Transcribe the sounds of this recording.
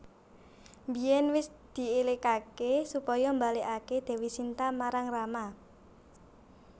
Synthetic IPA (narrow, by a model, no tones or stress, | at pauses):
mbijɛnwɪsd̪̥i̤elekakesupɔjɔmbaleʔaked̪̥e̤wisint̪amaɾaŋrama